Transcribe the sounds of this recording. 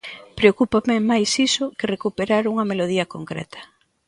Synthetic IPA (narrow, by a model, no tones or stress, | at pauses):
pɾeokupamɪmajsisʊkɪrekupeɾaɾuŋɐmeloð̞iɐkoŋkɾɛ̰t̪ʰɐ̥